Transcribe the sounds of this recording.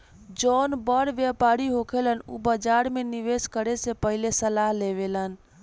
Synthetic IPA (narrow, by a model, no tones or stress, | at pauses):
d͡ʒonbəɾʋjəpaɾiɦokʰelənṵbəd͡ʒaɾmeniʋeskəɾesepəɦilesəlaɦleβelən